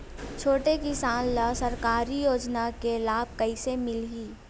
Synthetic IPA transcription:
t͡ʃʰoːʈekisaːnlasɐɾkaːɾijoːd͡ʒnakelaːb̚kɐisemɪlɦiː

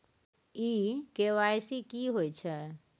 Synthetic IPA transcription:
ikeʋajsikiɦojt͡ʃʰɛ

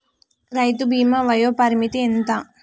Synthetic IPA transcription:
ɾɐjt̪ubʱiːmaʋɐjoːpɐɾimit̪ient̪a

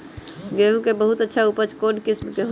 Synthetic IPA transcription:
ɡeɦũkebəɦut̪ətːʃʰaupət͡ʃkonkɪsmkeɦ

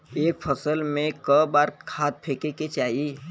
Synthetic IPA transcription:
eːk̚pʰəsəlmẽkəbaːɾkʰaːt̪̚pʰeːkeket͡ʃaːɦi

